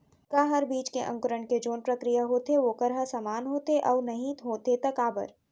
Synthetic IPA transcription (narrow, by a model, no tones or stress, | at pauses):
kaːɦɐɾbiːt͡ʃkeʔɐ̰̃ŋkʊɾəɳked͡ʒoːnpɾɐkɾijaɦoːt̪eʋokɐɾɦasaːmaːnɦoːt̪eʔɔːnɐɦĩt̪ɦoːt̪et̪ɐkaːbə̰ɾ